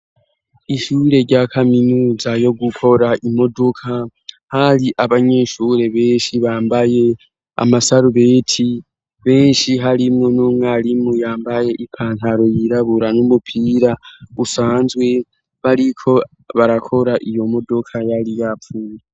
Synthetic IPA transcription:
iʃuːɾe̞ɾɟakʰaminuːzajo̞ɡukʰo̞ɾaʔimo̞do̞kʰa | haɾiʔaβaɲe̞ːʃuːɾe̞βe̞ːnʃiβaːmbaje̞ | a̰masaɾuβe̞ːtʰi | βe̞ːnʃiɦaɾimŋo̞nuːmŋaɾimujaːmbaje̞ʔipʰaːntaɾo̞jiɾaβuɾanumupʰiːɾausaːnzwe̞ | βaɾikʰo̞ | βaɾakʰo̞ɾaʔijo̞mo̞do̞kʰajalijap̪fuːne

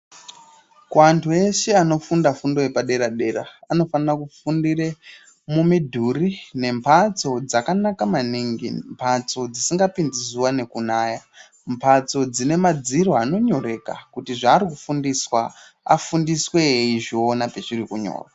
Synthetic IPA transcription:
kuantʰue̞ʃe̞ano̞fundafundo̞jepaɗe̞ɾaɗe̞ɾa̰ano̞fanirakufundire | mumidʱurine̞mpʰat͡so̞d͡zakanakamaniŋɡḭmpʰat͡so̞d͡zisiŋɡapind͡zizuwane̞kunaːja | mpʰat͡so̞d͡zine̞mad͡ziro̞ano̞ɲo̞re̞ka̰kutiʐaːɾikufundiswa | a̰fundiswe̞iʐionapet͡ʃirikuɲo̰ːrwa

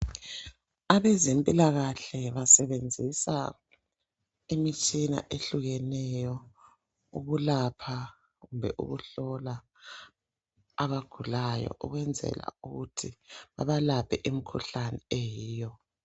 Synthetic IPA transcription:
aβɛzempʼilaɣaɬɛβasɛβend͡zʱisa | imit͡ʃʼina̰ʔeɬuɣɛnɛjɔ | uɣulapʰa | ɣumbʱɛʔṵɣuɬɔla | βaɡ̥ʱulajɔ̰ʔuɣwɛnd͡zʱɛ̰la̰uɣutʰiβa̰βalapʰɛʔimikʰuɬanɛejiːjɔ

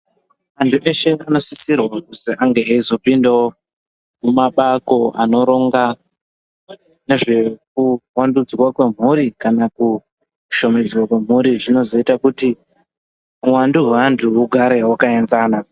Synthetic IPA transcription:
ʋantʰuʔe̞ʃe̞ano̞sisirwakusiʔaŋɡe̞aizo̞pindao | mumaɓako̞a̰no̞ɾo̞ŋɡa | ne̞ʐe̞k̚uwandud͡zwakwe̞m̤uɾikanaku | ʃo̞me̞d͡zwakwe̞m̤uɾiʐino̞zo̞itakuti | uwanduɦantʰuuɡʱaɾewakae̞nzaːna

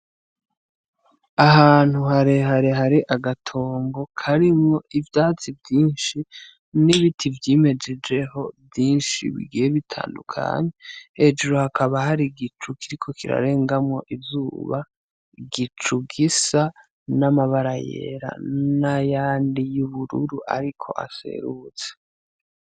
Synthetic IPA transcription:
aɦaːn̥huhaɾehaɾeɦaɾiʔaɡatʰo̞ːŋɡo̞kʰaɾimŋo̞ʔivjaːt͡sivjiːnʃi | niβitʰivjime̞d͡ʒe̞d͡ʒe̞ho̞bjiːnʃḭβḭɡijeβitʰa̰ːndṵkʰa̰ɲehed͡ʒeɾohakʰaβahaɾiɡit͡ʃukiɾikʰo̞kiɾa̰ɾe̞ːŋɡamŋo̞ʔizuːβa | ɡit͡ʃuɡisa | namaβaɾajḛɾa̰najaːndijuβuɾṵɾuʔa̰ɾikʰo̞̰ʔa̰se̞̰ɾut͡se̥

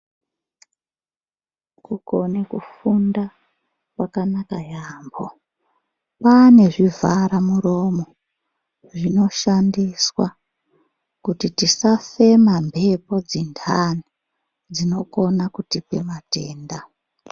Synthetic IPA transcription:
kukonekufunda | pwakanakajaːmbo | pane̞ʐivaɾamuɾo̞mo̞ | ʐino̞ʃandiswa | kutitisafe̞mambʱe̞po̞d͡zindʰani | d͡zino̞ko̞nakutipemate̞ːnda

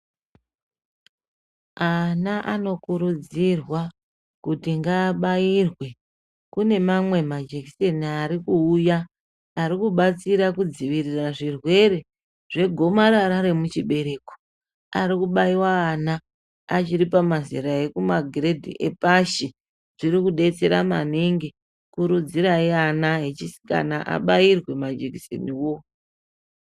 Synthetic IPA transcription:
anaʔano̞kuɾud͡zirwa | kutiŋɡaːɓairwe̞ | kune̞mamwe̞mad͡ʒekiseniaɾikuːjaː | ɾikuɓat͡siɾakud͡ziʋiriraʐirwe̞ɾe̞ | ʐe̞ɡʱo̞maɾaɾaɾe̞mut͡ʃiɓe̞ɾe̞ːko̥ | aɾikuɓaiwaːnaː | t͡ʃiɾipamazḭɾae̞kumaɡʱire̞dʱḭʔe̞̰paʃi | ʐ̥iɾikuɗe̞t͡se̞ɾa̰ma̰niŋɡi | kuɾud͡ziɾaianaɦe̞t͡ʃisi̥ka̰naʔa̰ɓairwe̞mad͡ʒeki̥sḛniwo̞

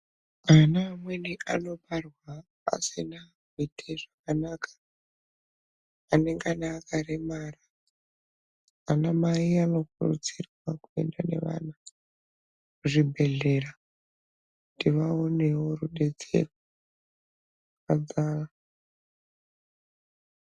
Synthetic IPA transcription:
anamweniʔano̞ɓarwa̰ː | sina | ɡitʰeʐakanaːkʰḁ | aneŋɡanaːkaremaːra | anamaiano̞kurṵt͡sirwakue̞̰ndane̞̰ʋa̰ːna | kuʐibʱe̞ɮe̞ra | ndiʋao̞ne̞wo̞ruɗe̞d͡ze̞̰rwa | ad͡zaːa

